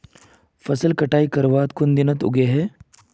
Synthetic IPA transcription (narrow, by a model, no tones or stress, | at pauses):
fɐsəlkɐʈaːikɐɾʋaːt̪kʊnd̪ɪnət̪ʊ̰ɡeɦɛː